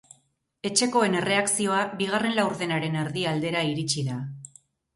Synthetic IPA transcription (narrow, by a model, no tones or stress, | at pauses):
e̞t͡ʃe̞ko̞e̞ne̞re̞aksio̞aβiɣ̞are̞nlawɾðe̞naɾe̞neɾðiald̪e̞ɾaiɾit͡ʃiða